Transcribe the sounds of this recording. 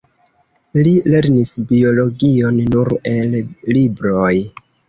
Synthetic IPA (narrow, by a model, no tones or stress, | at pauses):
lile̞ɾnisbio̞lo̞ɡio̞nːuɾe̞llibɾoj